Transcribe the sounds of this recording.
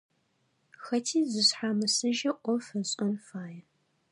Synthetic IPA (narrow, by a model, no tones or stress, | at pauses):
xɐtʰiːzɨɕħaːmɐsɨʒɐʔʷɔfɐɕʼɐnfaːjɛ